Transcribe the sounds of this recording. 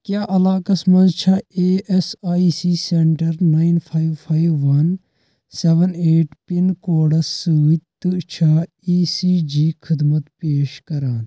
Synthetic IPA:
kjaːʔɐlaːkɐsmɐnzt͡ʃʰaeːʔesaːisiːseɳʈɐɾnaːinpʰaːiʋpʰaːiʋːɐn | seʋəneːʈpinkoːɽɐsːuːt̪ɨt͡ʃʰa | iːsiːd͡ʒiːkʰɪd̪mɐt̪peːʃkɐɾaːn

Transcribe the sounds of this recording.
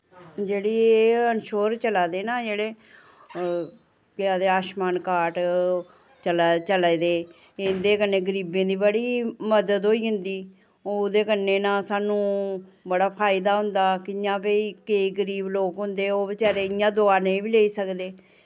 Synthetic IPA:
d͡ʒeːɽiːeeːənʃoːɾt͡ʃəlaːd̪eːnãːd͡ʒeːɽeː | kɪãːd̪eːaːʃmaːnkaːʈ | t͡ʃəlt͡ʃəlad̪eː | ɪnd̪eːkənːeːɡəɾiːbẽːd̪iːbəɽiːməd̪əd̪ɦoːiːɦʊ̃nd̪iː | oːd̪eːkənːeːnãːsaːnũːbəɽaːpʰaːɪd̪aːɦʊ̃nd̪aːkɪɪjãːpeiːkeiːɡəɾiːbloːkɦʊ̃nd̪eːoːbɪt͡ʃaːɾeːɪjãːd̪ʊaːnẽĩbiːleːiːsəkd̪eː

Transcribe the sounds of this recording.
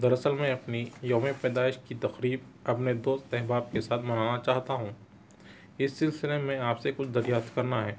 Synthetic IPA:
d̪ɐɾɐsəlmẽɐpnijoːmepɛːd̪aːɪʃkit̪ɐqɾiːbɐpned̪oːst̪ɛɦbaːb̚kesaːt̪ʰmɐnaːnat͡ʃaːɦt̪aɦũː | ɪsːɪlsɪlemẽaːpsekʊt͡ʃʰd̪ɐɾjaːft̪kɐɾnaɦɛː

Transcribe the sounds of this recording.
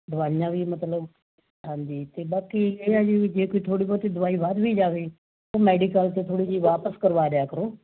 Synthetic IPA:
d̪ʊʋaːijãːʋiːmət̪ləb | ɦãːnd͡ʒiːt̪eːbaːkieːaːd͡ʒiːd͡ʒeːkoiːt̪ʰoːɽiːbɔːɾt̪iːd̪ʊʋaːiːʋad̪ʋiːd͡ʒaːʋeː | oːmɛːɖikəlt̪eːt̪ʰoːɽiːd͡ʒiːʋaːpəskəɾʋaːɾɪaːkəɾoː

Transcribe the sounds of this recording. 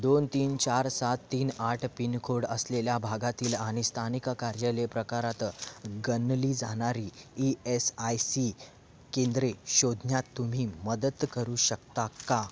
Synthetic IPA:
d̪ont̪iːnt͡ɕaɾsat̪ːiːnaʈʰpinkʰoɽəsleljabʱaɡat̪iːlaɽ̃ist̪ʰanikkaɾjəlepɾəkaɾat̪ɡənliːd͡zaɽ̃aɾiːiesajsi | kend̪ɾeɕod̪ʱnjat̪ːum̤iːməd̪ət̪kəɾuːɕək̚t̪aka

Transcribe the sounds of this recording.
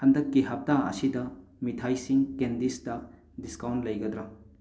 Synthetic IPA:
hɐndɐkːiɦɐp̚taɐ̰sidɐmitʰajsiŋkendisdɐ | diskawntlɐjɡɐd̪ɾɐ

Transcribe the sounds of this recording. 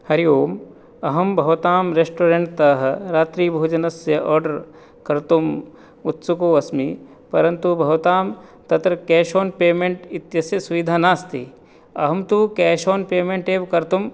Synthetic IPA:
hɐɾioːm | ɐɦɐmbʱɐʋɐt̪aːmɾesʈoːɾẽɳʈ̚t̪ɐɦɐɾaːt̪ɾiːbʱoːd͡ʒɐnɐsjɐʔɔːɾɖɐɾ | kɐɾt̪um | ut̪sukoːɐsmi | pɐɾɐnt̪ubʱɐʋt̪aːmt̪ɐt̪ɾɐkɛːʃoːnpeːmẽɳʈɪt̪jɐsjɐsuʋid̪ʱaːnaːst̪ʰḭ | ɐɦɐmt̪ukɛːʃoːnpeːmẽɳʈeːbkɐɾt̪um

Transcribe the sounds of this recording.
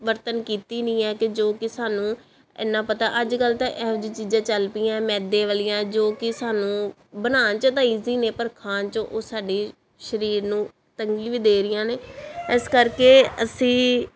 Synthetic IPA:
ʋəɾt̪ənkiːt̪iːnɪ̃ːɛːkɪd͡ʒoːkɪsaːnũː | ɪ̰ːnːãːpət̪aːʔəd͡ʒkəlt̪ãːʔɛːʊd͡ʒiːt͡ʃiːd͡ʒãːt͡ʃəlpɪːãːmɛ̃ːd̪ẽːʋaːlɪjãːd͡ʒoːkɪsaːnũː | bənaːnt͡ʃət̪aːiːziːneːpəɾkʰaːnt͡ʃõʔoːsaːɖeː | ʃəɾiːɾnũː | t̪əŋɡĩːʋiːd̪eːɾɪjãːneːɪskəɾkeːəsĩː

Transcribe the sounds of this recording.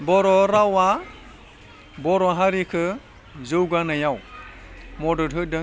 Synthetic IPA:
bɔɾɔɾawa | bɔɾɔɦaɾikʰɯ | zəwɡanajaw | mɔdəɾɦɯdə

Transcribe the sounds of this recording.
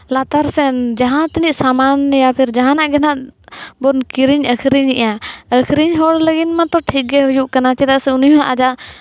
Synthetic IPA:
lat̪aɾsɛnd͡ʒaɦãt̪iniʔsamanːɛjapʰiɾd͡ʒaɦãnaʔɡɛnaʔbɔnkiɾiɲəkʰɾiɲiʔaəkʰɾiɲɦɔɽləɡinmãt̪ɔʈʰik̚ɡɛɦɔjuʔkanat͡ʃɛt̪aʔsɛunjuɦaʔad͡ʒaʔ

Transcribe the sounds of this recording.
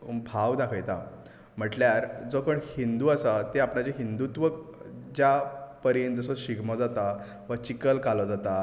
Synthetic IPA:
bʱaʋd̪akʰəjt̪a | m̤əʈljaɾd͡zokəɳhind̪uːasat̪eapɳad͡ʑeɦind̪ut̪ʋəkd͡ʑjapəɾind͡zəsəɕiɡmɔd͡zat̪a | ʋət͡ɕikəlkalɔd͡zat̪a

